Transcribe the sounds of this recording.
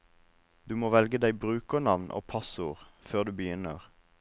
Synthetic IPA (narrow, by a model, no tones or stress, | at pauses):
d̪̥ʉːmoːʋɛlɡəd̪æɪbʁʉːkənɑʋnʔo̰ːpʰɑsuːʁ | føːʁd̪ʉːbəjʏnəʁ